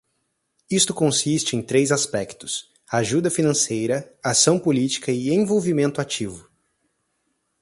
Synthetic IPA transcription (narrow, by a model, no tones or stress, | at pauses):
ist̪ʊkõsist͡ʃɪẽj̃t̪ɾezaspɛkt̪ʊ̥s | aʒud̪ɐfinɐ̃sejɾɐasɐ̃w̃polit͡ʃi̥kɐɪẽvowvimẽnt̪ʊat͡ʃivʊ